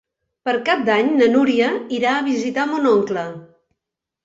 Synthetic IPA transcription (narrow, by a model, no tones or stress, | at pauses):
pəɾkap̚d̪aɲnənuɾiəiɾaəβ̞izit̪amunɔŋklə